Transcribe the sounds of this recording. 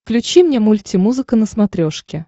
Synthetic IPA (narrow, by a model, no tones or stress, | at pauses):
klʲʉt͡ɕimnʲemulʲtʲimuzɨkənəsmɐt̪ɾʲoʂkʲɪ